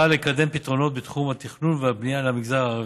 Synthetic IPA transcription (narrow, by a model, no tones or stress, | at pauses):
alekad̪e̞mpit̪ʁo̞no̞t̪̚bet̪χumhat̪iχnunveabnijalamiɡzaʁ